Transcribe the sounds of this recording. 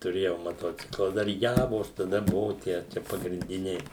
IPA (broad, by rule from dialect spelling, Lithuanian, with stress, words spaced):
tʊˈrʲeːjɛʊ mɐˈtoːt͡sʲɪklˠɐ ˈdɐr ˈjæːʋoːs tɐˈdɐ ˈbʊʋʊ ˈtʲiɛ ˈt͡ʃʲɛ pɐɡrʲɪnʲˈdʲɪnʲɛɪ